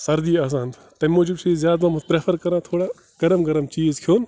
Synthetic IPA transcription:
sɐɾd̪iːaːs̬aːn | t̪ɐmoːd͡ʒubsʰiːzjaːd̪mãmɐpɾeːpʰɐɾkɐɾãːt̪ʰoːɽaː | ɡ̥ɐɾɐmɡɐɾɐmt͡ʃiːzkʰjoːn

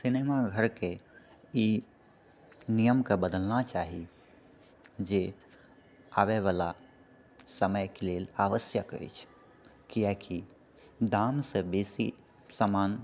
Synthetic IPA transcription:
sinemaɡʱəɾkei | nijəmkebəd̪əlnat͡ʃaːɦi | d͡ʒe | aʋeʋala | səməjkelelaʋəsjəkə̰jt͡ʃʰ | kiakʰi | d̪amsə̃besi | səman

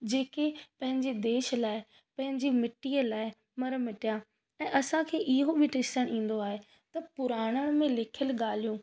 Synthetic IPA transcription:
d͡ʑeːkepɐ̃ɦɪ̃ɲd͡ʑed̪eːʃlaːɪ | pɐ̃ɦɪ̃ɲd͡ʑimɪʈiːəlaːɪ | mɐɾmɪʈija | ɛ̃ːʔɐsãkʰeːʔɪɦobʱɪʈɪstəɽ̃ĩːn̆d̪oaːɦe | t̪ɐpʊɾaːɽ̃əɽ̃mẽlɪkʰəlɠaːl̤ijũː

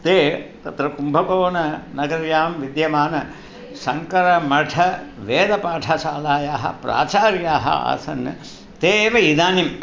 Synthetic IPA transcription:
t̪eːt̪ɐt̪ɾɐkumbʱɐkoːnɐnɐɡɐɾjaːmʋid̪jɐmaːnɐ | sɐŋkɐɾɐmɐʈʰɐʋeːd̪ɐpaːʈʰɐʃaːlaːjaːɦɐ̰pɾa̰ːt͡ʃaːɾjaːɦɐ̰a̰ːsɐnɐ | t̪eːʋɐid̪aːnim

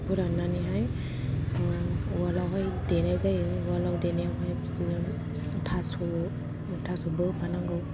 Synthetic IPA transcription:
puɾananiɦaj | walawɦɔjdenajzajwalawdenijawɦajpisizɔn | tʰasu | tʰasubɯpʰanaŋɡɯw

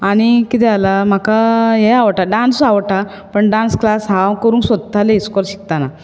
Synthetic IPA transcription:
aɽ̃ikit̪ɛalam̤akajeaʋʈaɖãnsaʋʈa | pəɳɖãnsklasɦãkəɾuːŋksəd̪̚t̪ːaleiskɔɾɕi̥k̚t̪ana

